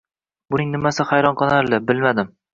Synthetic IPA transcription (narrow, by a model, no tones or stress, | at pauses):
bʊnɪŋnɪmasɪχajɾɒnqʰɨlˠaɾlɪbɪlmad̪ɪm